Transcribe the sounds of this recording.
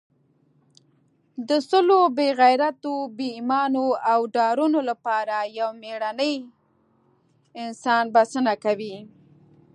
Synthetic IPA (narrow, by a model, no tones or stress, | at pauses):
d̪əsʊlobeɣajɾat̪obeimɑnoawɖɑɾunolapɑɾajawmeɽanəj | ɪnsɑnbasənakawi